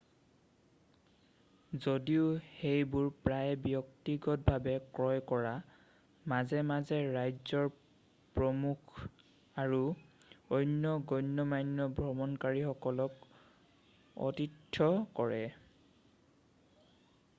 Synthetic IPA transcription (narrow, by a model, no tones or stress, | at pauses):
zodiʊhejbʊɹpɹajbjɔk̚tiɡɔt̚bʱabɛkɹɔjkɔɹa | mazɛmazɛɹajzɔɹ | pɹɔmukʰ | aɹu | ojnjɔɡɔjnːɔmajnːɔbʱɹɔmɔnkaɹixɔkɔlɔk | ɔ̰titʰːɔkɔɹɛ